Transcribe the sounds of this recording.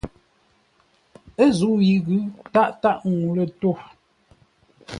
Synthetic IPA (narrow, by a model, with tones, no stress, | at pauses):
ə˦zu˨˦ji˨ɣʉ˦ta˦ʔta˦ʔŋu˨lə˨to˦˨